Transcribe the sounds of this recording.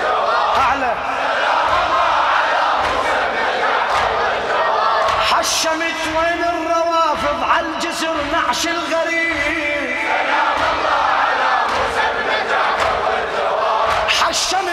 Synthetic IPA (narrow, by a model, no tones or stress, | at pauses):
ʔaʕla | ħaʃːamɪt̪weːnɪrˤːɑwɑːfɪðˤʕand͡ʒɪsɪɾnaʕʃɪlɣaɾiːbi | ħaʃːam